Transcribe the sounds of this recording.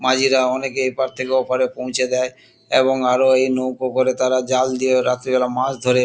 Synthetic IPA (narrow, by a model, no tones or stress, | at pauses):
mad͡ʑʱiɾaɔnekeepaɾt̪ʰekeɔpʰaɾepõw̃t͡ɕʰed̪ɛe | eβoŋaɾoejnowkokoɾet̪aɾad͡ʑald̪ieɾat̪ɾibɛlamãsd̪ʱoɾe